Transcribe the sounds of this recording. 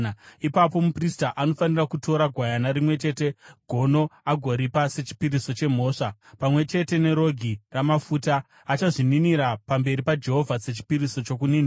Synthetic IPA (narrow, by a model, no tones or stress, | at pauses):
ipapo̞mupristaʔano̞fanirakutʰo̞ɾaɡʱwajanaɾimwe̞t͡ʃe̞ːte̞ɡʱo̞no̞aɡʱo̞ɾipaset͡ʃi̥piɾiso̞t͡ʃe̞m̤o̞ːʂapamwe̞t͡ʃe̞te̞ne̞ɾo̞ɡʱiramafuːtaː | t͡ʃaʐininiɾapambe̞ɾipad͡ʒe̞ɦo̞vʱaset͡ʃi̥piɾiso̞t͡ʃo̞k̬uniːni